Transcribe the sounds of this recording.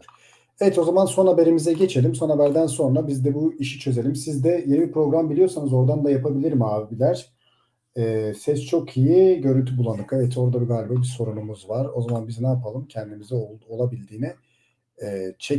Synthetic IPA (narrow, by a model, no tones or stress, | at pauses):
evɛt̪o̞zamanso̞nɦabe̞ɾimizɛɟe̞t͡ʃʰe̞lʲimso̞nɦabæɾd̪ænso̞nɾabizd̪ɛbuiʃi̥t͡ʃʰø̞ze̞lʲimsizd̪ɛjenibipɾo̞ɡɾambilʲijo̞ɾsanɯzo̞ɾd̪and̪ajapabilʲiɾimaːbilʲæɾ̥ | ɛːsɛst͡ʃʰo̞kʰijiɟø̞ɾynt̪ʰybulˠanɯkevɛt̪ʰo̞ɾd̪abiɡaːlʲibɛbiso̞ɾunumuzvaɾo̞zamanbiznaapʰalˠɯmcʰɛnd̪imizɛoolˠabilʲd̪iːni | t͡ʃʰɛ